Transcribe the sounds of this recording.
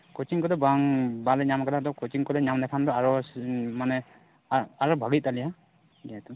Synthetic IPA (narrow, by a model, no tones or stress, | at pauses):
kɔtiŋkɔlɔbaŋbalɛɲamkaladɔkɔjtiŋkɔlɛɲamnɛpʰandɔaɹɔmanɛ | aɹɔbʱaɡit̚ːalija | diatu